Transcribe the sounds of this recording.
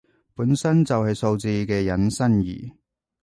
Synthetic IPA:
puː˨˥nsɐ˥nt͡sɐ˨whɐ˨jso˧wt͡siː˧kɛː˧jɐ˨˥nsɐ˥njḭː˨˩

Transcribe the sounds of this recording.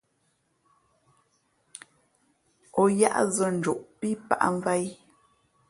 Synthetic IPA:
ɔ˨ja̰˦ʔzə˦˨n̩˨d͡ʒu˨ʔpi˦pa̰˦˨ʔa̰˦ɱ˦va˦j

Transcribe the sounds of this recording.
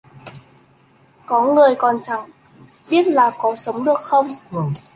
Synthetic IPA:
kɔ˨˦ŋɨ˨˩əjkɔ˨˩nt͡ɕa˨˦ŋ | ɓi˦˥ət̚laː˨˩kɔ˨˦sə˨˦wŋ͡mɗɨ˨˩ək̚xə˧wŋ͡m

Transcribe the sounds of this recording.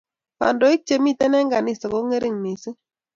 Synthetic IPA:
pa̰˨ndɔ˨˦i˦k̚t͡ʃe˨mi˦˨tɛ˦nɛ˦ŋɡa˨ni˦˨sɔ˨ko˦ŋe˦ɾɪ˦˨ŋmi˨si˦

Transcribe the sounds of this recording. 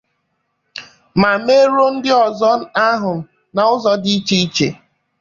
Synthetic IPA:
ma˨me˦ɾo˦n̩˦dɪ˦ɔ˨zɔ˦n̩˦a˦ɦʊ˨ | na˨ʊ˦zɔ˦dɪ˦i˦t͡ʃe˦i˦t͡ʃe˨

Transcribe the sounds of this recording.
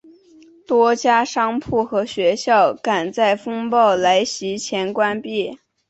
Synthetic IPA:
t̪wɔ˥t͡ɕja˥ʂɑ˥ŋpʰu˥˩xɤ˧˥ɕɥɛ˧˥ɕjɑ˥˩ʊka˨˩nt͡sa˥˩ɪfɤ˥ŋpɑ˥˩ʊla˧˥ɪɕi˧˥t͡ɕʰjɛ˧˥nkwa˥npi˥˩

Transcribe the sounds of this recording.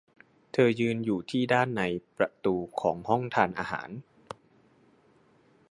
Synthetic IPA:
t̪ʰɤː˧jɯː˧njuː˨˩t̪ʰiː˥˩daː˥˩nːa˧jpɾa˧t̪uː˧kʰɔː˩˦ŋhɔ˥˩ŋt̪ʰaː˧nʔa̰ː˧ɦa̰ː˩˦n

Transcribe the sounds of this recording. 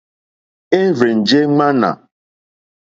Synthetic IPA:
e˦vɾe˨n̩˨d͡ʒe˦ŋ͡ma˦na̰˨

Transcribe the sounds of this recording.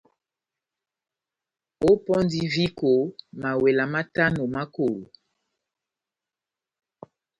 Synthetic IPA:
o˦pɔ˦n˦di˦vi˦ko˨ma˨we˨la˨ma˦ta˦no˨ma˦ko˨lo̰˨

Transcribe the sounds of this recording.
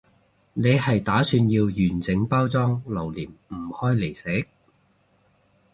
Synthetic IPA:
ne˨˧jhɐ˨jt̪aː˨˥syː˧njiː˧wjyː˨˩nt͡sɪ˨˥ŋpaː˥wt͡sɔː˥ŋlɐ˨˩wliː˨˩mm̩˨˩hɔː˥jle˨˩jse˨˥

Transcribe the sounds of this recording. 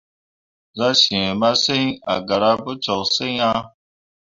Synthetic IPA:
za˦ʃi˨e˨ma˦se˦ɲa̰˨ɡa˨ɾa˦bə˦t͡ʃɔ˨kse˦a˦

